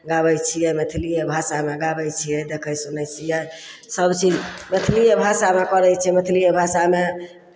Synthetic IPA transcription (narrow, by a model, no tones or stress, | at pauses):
ɡabəjt͡ʃʰijɛmet̪ʰilijebʱasameɡabəjt͡ʃʰijɛd̪ekʰəjsunɛjt͡ʃʰijɛ | səbt͡ʃid͡ʒmet̪ʰlijebʱasamekəɾɛjt͡ʃʰɛmet̪ʰlijebʱasame